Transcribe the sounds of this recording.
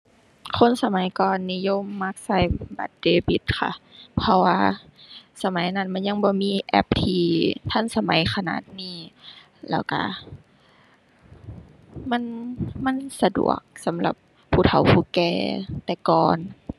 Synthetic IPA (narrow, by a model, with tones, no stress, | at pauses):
kʰo˧˥˨nsa˧ma˨˦jkɔː˨nːiː˧˨jo˧˥˨mːa˧˥˩k̚sa˧˩jba̰˨˩t̪̚deː˧bi˨˧˦t̪̚kʰa̰˧˩pʰɔ˧waː˧ | sa˧ma˨˦jna˧˥˨nma˧˥˨nɲa˧˨ŋbɔː˧˦miː˧˥˨ʔɛ̰˧˩p̚t̪ʰiː˧t̪ʰa˧˥˨nsa˧ma˨˦jkʰa˧na̰ː˨˩t̪̚niː˧˩ | lɛ̰˧˩wka̰˧˩ | ma˧˥˨nma˧˥˨nsa˧dṵ˨˩ək̚sa˨˦mla˧˦p̚ʰːuː˧˩t̪ʰa˨˩˦wpʰuː˧˩kɛː˧˩t̪ɛː˨˧˩kɔː˨n